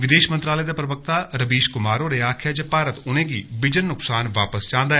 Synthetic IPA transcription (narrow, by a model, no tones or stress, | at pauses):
ʋɪd̪eːʃmənt̪ɾaːleːd̪aːpɾəʋək̚t̪aːɾəbiːʃkʊmaːɾoːɾeːaːkʰjaːd͡ʒepaːɾət̪ʊnẽːɡiːbɪd͡ʒənːʊksaːnʋaːpəst͡ʃãːnd̪aɛ